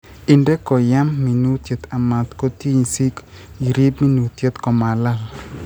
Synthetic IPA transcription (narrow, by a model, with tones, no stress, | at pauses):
ɪ˨ndɛ˦kɔ˨ja˦mːi˨nu˦t̪je˨t̪a˨ma˨t̪ko˦t̪i˦ɲsi˦ki˨ɾi˦bmi˦nu˨t̪je˦t̪kɔ˨ma˨la˦l